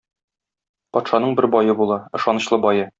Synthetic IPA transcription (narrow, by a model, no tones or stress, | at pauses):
pɒt̪ʃɑnɤɴbɘɾbɒjɤbulˠɑɤ̆ʃɑnɤ̆ɕlˠɤbɒjɤ